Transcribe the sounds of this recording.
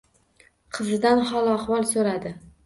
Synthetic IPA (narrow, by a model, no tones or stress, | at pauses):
qʰɨzɪd̪anhɒlaχvɒlˠsoɾad̪ɪ